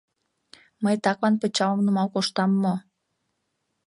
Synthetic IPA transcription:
məjt̪ɑklɑnpət͡ɕɑwəmnumɑwkoʃt̪ɑmːo

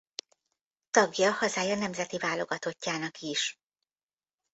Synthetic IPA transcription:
t̪ɒɡjɒhɒzaːjɒnɛmzɛt̪ivaːlo̞ɡɒt̪o̞cːaːnɒkiʃ

